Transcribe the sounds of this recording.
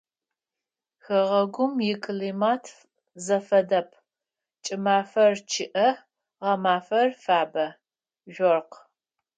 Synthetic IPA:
xɐʁɐɡʷʊmjɪkʰʼliːmaːtʰ | zɐfɐdɐpʰ | t͡ʃʼɪmaːfɐrt͡ʃʰɪʔɐ | ʁɐmaːfɐrfaːbɐ | ʒʷɔrq

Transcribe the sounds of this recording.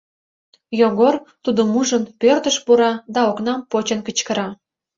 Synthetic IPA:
joɣort̪ud̪omuʒənpørt̪əʃpuɾɑd̪ɑoknɑmpot͡ɕənkət͡ɕkə̆ɾɑ

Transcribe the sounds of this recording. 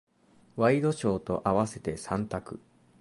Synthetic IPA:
βaid̪o̞ɕo̞ːt̪o̞ʔaβase̞t̪e̞sãnt̪akɯ̟

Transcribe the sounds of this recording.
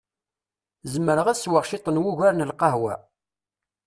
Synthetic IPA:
zəməɾəʁæswəʁʃɪt̪ˤənwʊʝæɾnəlqɑɦwæ̰

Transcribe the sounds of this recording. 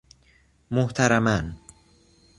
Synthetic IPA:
moht̪ʰaɾaman

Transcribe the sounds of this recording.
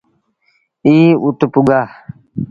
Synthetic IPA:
iːut̪upuɡa

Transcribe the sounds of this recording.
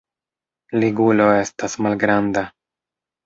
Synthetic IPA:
liɡulo̞e̞stasmalɡɾanda

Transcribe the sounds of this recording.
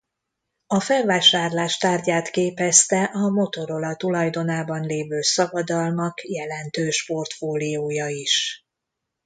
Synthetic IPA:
ɒfɛlvaːʃaːrlaːʃt̪aːrɟaːt̪keːpɛst̪ɛʔɒmo̞t̪o̞ɾo̞lɒt̪ulɒjd̪o̞naːbɒnleːvøːsɒbɒd̪ɒlmɒkjɛlɛnt̪øːʃpo̞rt̪foːlioːjɒiʃ

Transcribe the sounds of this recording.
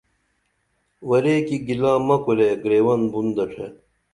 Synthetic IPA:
wɐɾeːkiɡilãːmɐkoleɡɾeːwɐnbund̪ɐʈ͡ʂʰe

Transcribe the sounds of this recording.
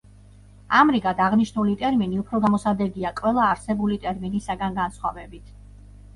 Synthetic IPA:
amɾiɡad̪aʁniʃnulit̪ʼɛɾminiupʰɾɔɡamɔsad̪ɛɡiakʼwɛlˠaːɾsɛbulit̪ʼɛɾminisaɡanɡansχwa̰vɛbit̪ʰ

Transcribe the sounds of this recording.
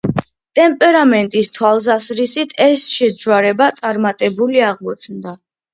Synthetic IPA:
t̪ʼɛmpʼɛɾamɛnt̪ʼist̪ʰwalˠsasɾisit̪ʰɛsʃɛdd͡ʒwaɾɛbat̪sʼaɾmat̪ʼɛbuliaʁmɔt͡ʃʰnd̪a

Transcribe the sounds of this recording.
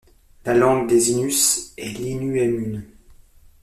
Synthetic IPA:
lalɑ̃ɡd̪ezinysɛlinyemyn

